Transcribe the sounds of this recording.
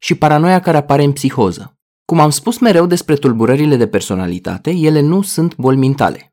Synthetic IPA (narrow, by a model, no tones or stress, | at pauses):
ʃipaɾano̞jakaɾe̞apaɾe̞ɨnpsixo̞zə | kumamspusme̞ɾe̞wd̪e̞spɾe̞t̪ulbuɾəɾile̞d̪e̞pe̞rso̞na̰lḭt̪a̰t̪e̞je̞le̞nusunt̪bo̞lʲmint̪a̰le̞